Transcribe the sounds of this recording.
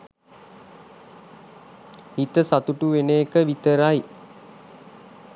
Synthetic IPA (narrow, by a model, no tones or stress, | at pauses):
hit̪əsat̪uʈuʋeneːkəʋit̪əɾaj